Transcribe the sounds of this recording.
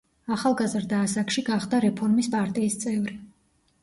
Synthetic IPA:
aχalˠɡazɾd̪aːsakʃiɡaχd̪aɾɛpʰɔɾmispʼaɾt̪ʼiːst̪sʼɛvɾi

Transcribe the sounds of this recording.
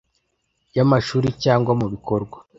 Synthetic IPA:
jamaʃuːɾicaːŋɡwamuβiko̞ɾɡwa

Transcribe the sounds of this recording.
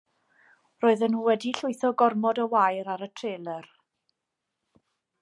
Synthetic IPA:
roːɨðənuːwɛdiɬʊɨθɔɡɔrmɔdəwajɾaɾətʰreːlˠɛr

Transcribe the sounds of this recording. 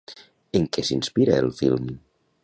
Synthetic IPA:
eŋkesinspiɾəelˠfḭlˠm

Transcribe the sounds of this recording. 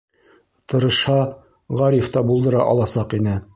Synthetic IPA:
t̪ɤ̆ɾɤ̆ʃhɑ | ʁɑɾift̪ɑbulˠd̪ɤ̆ɾɑʔɒlˠɑsɑqinɘ

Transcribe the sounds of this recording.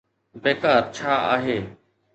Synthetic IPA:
beːkaːɾt͡ʃʰaːa̰ːɦeː

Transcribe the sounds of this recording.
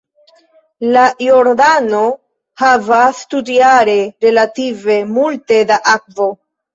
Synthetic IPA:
lajo̞ɾdano̞ | havastudiaɾe̞ɾe̞lative̞multe̞daʔak̚vo̞

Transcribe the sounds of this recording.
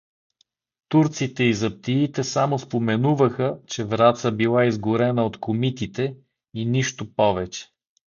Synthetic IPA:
t̪uɾt̪sit̪ɛizɐp̚t̪iit̪ɛsamospomɛnuvəxət͡ʃɛvɾat̪səbilˠaizɡʊɾɛnəot̪komit̪it̪ɛ | iniʃt̪opɔvɛt͡ʃɛ̥

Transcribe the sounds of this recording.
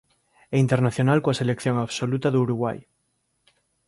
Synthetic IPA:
eint̪eɾnaθjo̞nalkoase̞lekθjoŋaβsolut̪aðeuɾuɣwa̰j

